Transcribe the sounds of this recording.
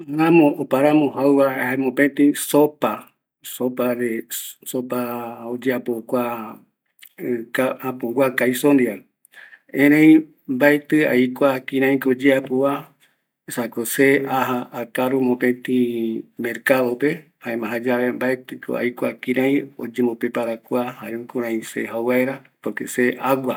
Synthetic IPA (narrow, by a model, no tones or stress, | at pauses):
ɾãmõʔopaɾãmõhawβaehaemõpet̪ĩsopa | sopaɾesopaod͡ʒeapokʷa | kaãpõŋɡʷakajsond̪ia | ẽɾ̃ẽj̃ | mbaet̪ɨa̰ikʷakĩɾ̃ãj̃kod͡ʒeapoa | esakoseaɦaːkaɾumõpẽt̪ĩmeɾkaðopehaẽmãɦad͡ʒaβembaet̪ɨkʰo̰a̰jkʷakĩɾãj̃o̰d͡ʒẽmõpepaɾakʷahaɾẽkuɾ̃ãĩsḛɦawwaeɾapokeseʔaɡʷa